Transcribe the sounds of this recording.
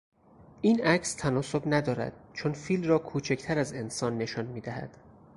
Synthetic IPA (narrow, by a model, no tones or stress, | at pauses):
ʔiːnʔæcʰst̪ʰænɒːso̞bnæd̪ɒːɾæ̰d̪̥̚t͡ʃʰonfiːlmrɒːkʰuːt͡ʃʰecʰt̪ʰæɾæze̞nsɒːnːe̞ʃɒːnmiːd̪æɦæ̰d̪̥